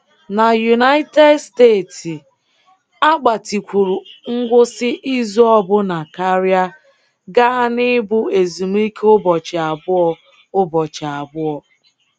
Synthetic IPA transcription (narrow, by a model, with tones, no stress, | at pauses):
na˨ju˨na˦ɪ˦te˦dsteː˦˨ti˨ | a˦ɡ͡ba˨ti˨kʷu˨ɾu˨ŋ̩˦ɡʷʊ˦sɪ˦ʔi˦zu˦ɔ˦bʊ˦na˨ka˦ɾja˦ | ɡa˦a˦nɪ˦bʊ˦e˨zu˨m˦i˦ke˦ʊ˦bɔ˨t͡ʃa˨bʊ˦ɔ˨ | ʊ˦bɔ˨t͡ʃa˨a˨bʊ˦ɔ˨